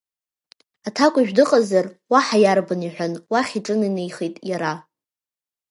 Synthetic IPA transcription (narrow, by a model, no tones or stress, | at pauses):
atʰakʷʼiʒᶣdɨqʼazarwaħajarbɨniħʷᶣanwaχʲiʈ͡ʂʼɨninejχejtʼjaɾa